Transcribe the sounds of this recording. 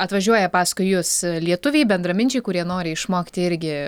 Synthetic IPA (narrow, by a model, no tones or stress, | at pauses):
ɐt̪ʋɐʒʲuɔjɛpɑːskʊɪjʊslʲiɛt̪ʊʋʲɛɪbʲɛnd̪ɾɐmʲɪnʲt͡ʃʲɛɪkʊɾʲiɛnoːɾʲɪɪʃmoːkʲɪ̥t̪ʲɪɪɾʲɡʲɪ